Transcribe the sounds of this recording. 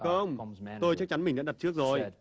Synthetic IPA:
xə˧wŋ͡mt̪o˧jt͡ɕa˦˥k̚t͡ɕa˨˦nmï˨˩ŋ̟ɗa̰˧˥˨t̚t͡ɕɨ˦˥ək̚zo˧˨˩jj

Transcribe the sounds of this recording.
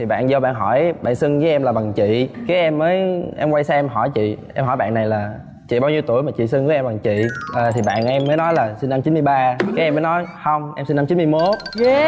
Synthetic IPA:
t̪ʰi˨˩ɓa̰ː˧˨nzɔ˧ɓa̰ː˧˨nɦɔ˧˩jɓa̰ː˧˨nsɨ˧ŋvəː˨˦jʔɛ˧mlaː˨˩ɓa˨˩ŋt͡ɕḭ˧˨kaː˨˦jʔɛ˧mːəː˨˦jʔɛ˧mkwa˧jsɛ˧ʔɛ˧mɦɔ˧˩jt͡ɕḭ˧˨ʔɛ˧mɦɔ˧˩jɓa̰ː˧˨nːa˨˩jlaː˨˩ | t͡ɕḭ˧˨ɓaː˧wɲi˧wt̪u˧˩əjmaː˨˩t͡ɕḭ˧˨sɨ˧ŋvə˨˦jʔɛ˧mɓa˨˩ŋt͡ɕḭ˧˨ʔəː˨˩t̪ʰi˨˩ɓa̰ː˧˨nʔɛ˧mːəː˨˦jnɔ˨˦jlaː˨˩si˧nːa˧mt͡ɕi˨˦nmɨ˧jɓaː˧kaː˨˦jʔɛ˧məː˨˦nɔ˨˦jxə˧wŋ͡mʔɛ˧msi˧na˧mt͡ɕi˨˦nmɨ˧əjmo˨˦˥t̚

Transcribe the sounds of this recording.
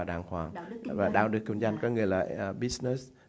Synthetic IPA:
ɗaː˨˩ŋhwaː˨˩ŋvaː˨˩ɗaː˧wɗɨ˨˩ək̚kə˧nza˧jŋkɔː˨˦ŋɨ˨˩əjlaː˨˩˨ɓi˦˥snɛ˧˦˥s

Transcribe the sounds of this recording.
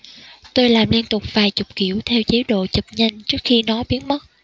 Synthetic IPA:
t̪o˧jlaː˨˩mli˧ənt̪ʊ˨˩k͡p̚vaː˨˩jt͡ɕʊ˨˩k͡p̚kḭ˧˩˨əwt̪ʰɛ˧wt͡ɕe˨˦ɗo̰˧˨t͡ɕə˨˩p̚ɲə˧ŋt͡ɕɨ˦˥ək̚xi˧nɔ˨˦ɓi˨˦ənmə˦˥t̚

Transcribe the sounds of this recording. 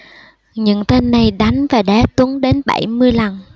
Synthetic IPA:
ɲɨ̰˧˥ŋt̪e˧nːa˨˩jɗa˨˦jŋ̟vaː˨˩ɗɛ˨˦t̪u˨˦əŋɗe˨˦nɓa̰˧˩jmɨ˧əjla˨˩n

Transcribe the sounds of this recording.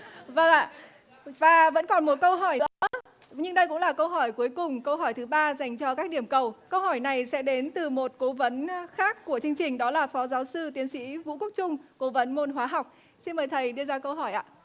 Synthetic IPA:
və˧˩ŋʔa̰ː˧˨ | vaː˨˩və̰˧˥nkɔ˨˩nmo˨˩t̚kə˧wɦɔ˧˩jə | ɲɨ˧ŋɗə˧jkʊ̰˧˥ŋ͡mlaː˨˩kə˧wɦɔ˧˩jku˨˦əjkʊ˨˩ŋ͡mkə˧wɦɔ˧˩jt̪ʰɨ˨˦ɓaː˧za˨˩jŋ̟t͡ɕɔ˧kaː˦˥k̚ɗi˧˩əmkə˨˩wkə˧whɔ˧˩jna˨˩jsɛ̰˧˥ɗe˨˦nt̪ɨ˨˩mo˨˩t̚ko˨˦və˨˦nxaː˦˥kːu˧˩ət͡ɕɨ˧ə˧ŋt͡ɕï˨˩ŋ̟ɗɔ˨˦laː˨˩fɔ˨˦zaː˨˦wsɨ˧t̪i˨˦ənsḭ˧˥vṵ˧˥ku˦˥k̚t͡ɕʊ˧ŋ͡mko˨˦və˨˦nmo˧nɦwaː˨˦ɦa˨˩wk͡p̚ | si˧nməː˨˩jt̪ʰə˨˩jɗɨ˧əzaː˧kə˧wɦɔ˧˩jʔa̰ː˧˨

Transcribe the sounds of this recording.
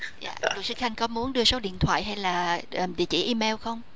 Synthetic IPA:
za̰ː˧˨lɨ˨˩k̚sɨ˨˦xa˧jŋ̟kɔ˨˦mu˨˦ənɗɨ˧əso˨˦ɗḭ˧˨ənt̪ʰwa̰ː˧˨jɦa˧jlaː˨˩˨ɗḭ˧˨ət͡ɕḭ˧˩ʔi˧me˧wxə˧wŋ͡m

